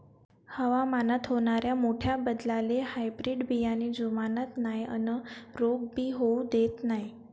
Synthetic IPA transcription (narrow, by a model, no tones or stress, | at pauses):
həʋamanat̪ɦoɳ̃aɾjamoʈʰjabəd̪lalehajbɾiɖbʱijanid͡zumanət̪najə̰nəɾoɡ̚bʱiːɦoud̪et̪naj